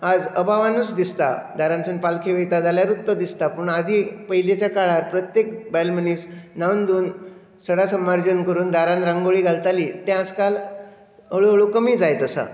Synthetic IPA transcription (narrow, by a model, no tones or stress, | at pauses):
ad͡zəbʱaʋanusd̪ist̪a̰d̪ʱaɾãnt͡suːnpalkʰeʋəjt̪ad͡zaljaɾut̪ːəd̪ist̪apəɳad̪ʱiːpəɦilet͡ɕjakaɭaɾpɾət̪jekbɛlməniːsnaund̪uːn | səɽasəmaɾd͡ʑənkəɾuːnd̪ʱaɾãnɾãŋɡoɭiːɡʱalt̪aliːt̪ẽad͡zkal | əɭuəɭukəmiːd͡zajt̪əsa̰